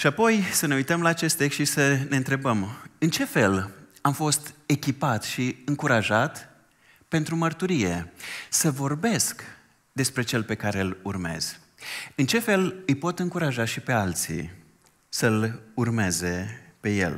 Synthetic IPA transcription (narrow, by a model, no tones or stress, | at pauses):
ʃiapo̞jsəne̞ujt̪əmlaːt͡ʃe̞st̪ːe̞kst̪ʃisəne̞ɨnt̪ɾe̞bəmɨnt͡ʃe̞fe̞lamfo̞st̪e̞kʲipat̪ʃiɨŋkuɾaʒat̪ | pe̞nt̪ɾumərt̪uɾije̞səvo̞rbe̞sk | d̪e̞spɾe̞t͡ʃe̞lpe̞kaɾe̞lurme̞̰z̥ | ɨnt͡ʃe̞fe̞lɨjpo̞t̪ɨŋkuɾaʒaʃipe̞alt̪sḭ | səlurme̞ze̞pe̞je̞̰l